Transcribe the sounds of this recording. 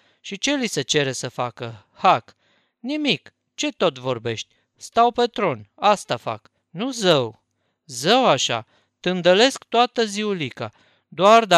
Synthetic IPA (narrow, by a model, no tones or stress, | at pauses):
ʃit͡ʃe̞liset͡ʃe̞ɾe̞səfakə | hak | nimik | t͡ʃe̞t̪o̞t̪vo̞rbe̞ʃt̪ʲ | st̪awpe̞t̪ɾo̞nast̪afa̰k | nuzəw | zəwaʃa̰ | t̪ɨnd̪əle̞skt̪oat̪əziulika̰ | d̪oard̪a